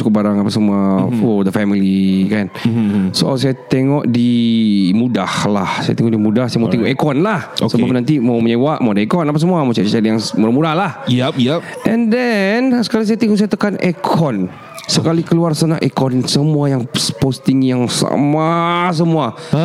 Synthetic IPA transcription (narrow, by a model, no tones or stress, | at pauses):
u̥kʊp̚baɾaŋapasəmuafɔd̪əfɛmilikansoʔals̬ajat̪eŋɔʔdimudahlahsa̰jat̪eŋɔʔdimudahsajamawt̪eŋɔʔekɔnlahosəbapənant̪imawməɲawaʔmawdaekɔnapas̬əmuamasajat͡ʃalijaŋmuɾamudahlahjʔɛ̃ndɛnsə̥kalis̬ajat̪iŋɔʔsajat̪əkanekʰɔn | səkalikəluarsanaʔekɔnsəmuajaŋspost̪ɪŋjaŋsa̰mas̬əmua